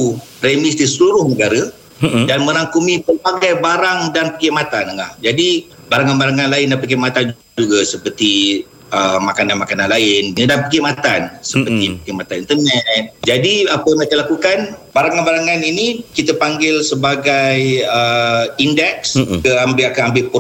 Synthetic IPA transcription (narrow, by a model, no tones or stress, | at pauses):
upɾemɪsdisəluɾʊhnəɡaɾə | danmə̃ɾaŋkumipərbaɡajbaɾaŋdanpəkimat̪anəla̰hd͡ʒadi | baɾaŋanbaɾaŋanlaɪndapək̬imat̪and͡ʒuɡd͡ʒuɡasəpərt̪i | əmakananmakananlaɪnnidanpəkɪmat̪ansəpət̪ipəkimat̪aint̪ərnɛt̪̚d͡ʒadiapəmatalakukanbaɾaŋanbaɾaŋaninikit̪əpaŋɡɪlsəbaɡajəindɛkskəambɪʔkəambɪʔpə